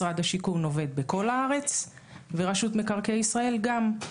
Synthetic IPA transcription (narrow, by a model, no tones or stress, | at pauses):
ʁad̪haʃikuno̞ve̞d̪̚beko̞lhaaʁe̞t͡s | veʁaʃut̪me̞kaʁkeisʁae̞lɡam